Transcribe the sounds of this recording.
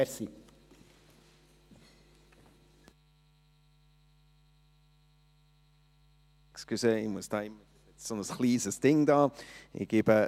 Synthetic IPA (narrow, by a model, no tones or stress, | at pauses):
ɾsi | kskysəɪmuəstaɪm | sɪt͡ssonəsχliːsəsd̥ɪŋdaːʔɪ̰ɡ̥ɪbə